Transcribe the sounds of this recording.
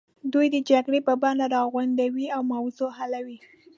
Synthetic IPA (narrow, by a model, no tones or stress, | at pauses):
d̪ujd̪əd͡ʒaɡɽepəbɑnlaɾɑɣwand̪awiawmawzoɦalawi